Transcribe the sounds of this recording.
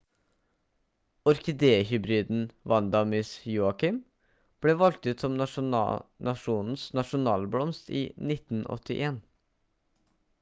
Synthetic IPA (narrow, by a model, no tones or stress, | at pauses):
ɔɾkɪd̪eːhʏbɾiːd̪n̩ʋɑnd̪ɑmɪsjuːɑkɪm | b̥leːʋɑlk̚t̪ʉːt̪sɔm | nʔɑʃuːnn̩snɑʂʊnɑːlblɔmst̪ḭːnɪt̪n̩ɔ̰t̪ɪ̰ʔeːn